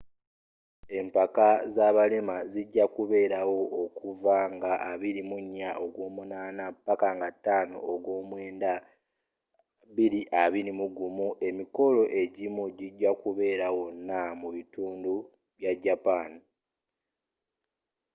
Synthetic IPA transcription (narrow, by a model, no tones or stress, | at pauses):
e̞mpakazaːβalemaziɟːakuβe̞ːɾawo̞ʔːkuvaŋɡaʔːβiɾimuɲːaʔoɡwo̞ːmunaːnapːakaŋɡatːaːno̰oɡwo̞ːmweːnda | βiɾiʔaβiɾimuɡumuʔe̞miko̞lo̞ʔe̞ɟimuɟiɟːakuβe̞ːɾawo̞nːamuβituːndu | βjaɟːapaːni